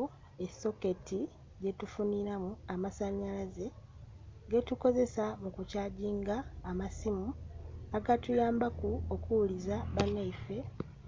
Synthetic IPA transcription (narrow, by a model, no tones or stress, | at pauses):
eso̞ke̞tʰi | ɟe̞tufuniɾamuamasaɲalaze̞ | ɡe̞tuko̞ze̞samukucaːɟiːŋɡaːmasimuaɡatujaːmbakuokuwulizaβanːaife̞